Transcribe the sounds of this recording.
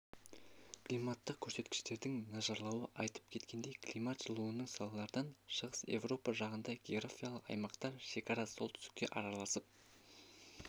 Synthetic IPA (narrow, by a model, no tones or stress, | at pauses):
kʰlijmɑt̪ːəq̚kʲʰɵɾse̞t̪kʲɪ̥ʃt̪e̞ɾd̪ɪŋnɑʒɑɾlˠɑwəʔɑjt̪ə̥p̚kʲʰe̞t̪kʲe̞nd̪e̞jkʰlʲijmat̪ʒ̥əlˠuənəɴsɑlˠɑlˠɑɾd̪ɑnʃəʁəse̞̰vro̞pɑʒɑqənd̪ɑjɡʲe̞orafʲijalˠəqɑ̰jmɑqt̪ɑɾʃe̞kʰɑɾɑso̞lˠt̪ʰʏ̥st̪ɪ̥k̚ʲːe̞̰ʔɑɾɑlˠɑsəp̚